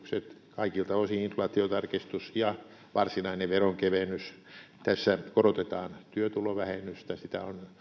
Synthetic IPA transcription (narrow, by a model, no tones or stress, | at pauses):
kset̪kɑikilt̪ɑosiinflɑt̪iot̪ɑrkist̪usjɑʋɑrsinɑineʋeroŋkeʋenyst̪æsːækorot̪et̪ɑːnt̪yøt̪uloʋæhenːyst̪æsit̪æ̰o̰n